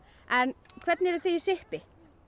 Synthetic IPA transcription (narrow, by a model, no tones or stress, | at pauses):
ɛnkʰv̥ɛɾt̪nɛɾʏθeisɪhpɪ